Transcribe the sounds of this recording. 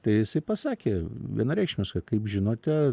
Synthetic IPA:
t̪ɐɪjɪsɐɪpɐsɑːkʲeːʋʲḭɛnɐɾʲɛɪkʃʲmʲɪskɐkɐɪpʒʲɪnoːt̪ʲɛ

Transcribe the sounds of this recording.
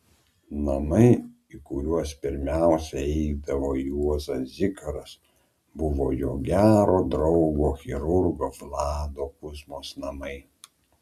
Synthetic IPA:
nɐmɐɪ | ikʊɾʲuɔspʲɪɾʲmʲæˑʊsʲɛɛɛɪd̪ɐʋoːjuɔzɐszʲɪkɐɾɐs | bʊʋoːjoːɡʲæːɾoːd̪ɾɒʊɡoːxʲɪɾʊɾɡoːʋlˠɑːd̪oːkʊzmoːsnɐmɐɪ

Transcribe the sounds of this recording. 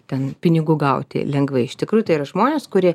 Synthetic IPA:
t̪ʲɛnpʲɪnʲɪɡʊɡɐʊt̪ʲɪ̰lʲɛŋɡʋɐɪɪʃt̪ʲɪkɾuːjʊt̪ɐɪiːrɐʒmoːnʲeːskʊɾʲiɛ

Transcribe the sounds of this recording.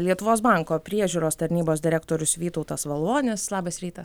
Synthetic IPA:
lʲiɛt̪ʊʋoːsbɑˑŋkoːpʲɾʲiɛʒʲuːɾoːst̪ɐɾʲnʲiːboːsd̪ʲɪɾʲæk̚t̪oːɾʲʊsʋʲiːt̪ɔʊt̪ɐsʋɐlˠuɔnʲɪslˠɑːbɐsɾʲiːt̪ɐs

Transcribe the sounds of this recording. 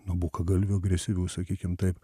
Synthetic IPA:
nʊbuːkɐɡɐlʲʋʲʊːɐɡɾʲɛsʲɪʋʲuʊsɐkʲiːkʲɪmt̪ɐɪp

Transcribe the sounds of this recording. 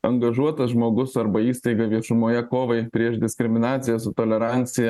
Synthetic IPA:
ɐŋɡɐʒuɔt̪ɐsʒmoːɡʊsɐɾbɐiːst̪ɐɪɡɐʋʲiɛʃʊmoːjɛkoːʋɐɪpʲɾʲiɛʃd̪ʲɪsʲkɾʲɪmʲɪnɑːt̪sʲɪjɛsʊt̪oːlʲɛɾɑnʲt̪sʲɪjɛ

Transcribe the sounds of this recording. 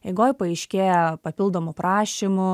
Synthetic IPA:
ɛɪɡoːjpɐɐɪʃʲkʲeːjɛpɐpʲɪlˠd̪oːmʊpɾɑːʃʲimʊ

